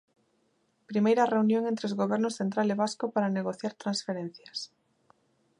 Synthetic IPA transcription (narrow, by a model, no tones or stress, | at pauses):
pɾimejɾɐreunjõŋẽnt̪ɾeozɣoβ̞ɛɾnʊsθent̪ɾaleβ̞askopaɾaneɣoθjaɾt̪ɾãnsfeɾẽn̟θjɐs